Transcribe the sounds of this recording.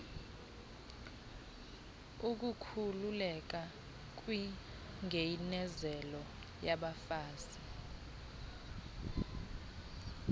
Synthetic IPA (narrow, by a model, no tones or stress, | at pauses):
uk̬ʼukʰululɛk̬a | k̬ʼwi | ŋʱejnɛzɛlɔ | jaɓafaːsi